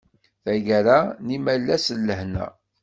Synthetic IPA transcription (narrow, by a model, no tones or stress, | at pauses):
θæʝɾænimælːæsəlːəhnæ̰